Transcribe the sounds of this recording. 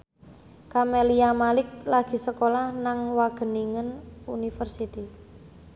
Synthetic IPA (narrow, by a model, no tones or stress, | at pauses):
kameliamalɪk̚laɡ̥i̤səkolahnaŋwaɡ̥ə̤niŋənunifərsit̪i